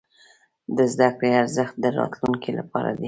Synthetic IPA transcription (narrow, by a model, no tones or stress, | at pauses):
d̪əzd̪akɽeaɾzəxt̪̚d̪əɾɑ̰t̪luŋkilapɑɾa̰d̪i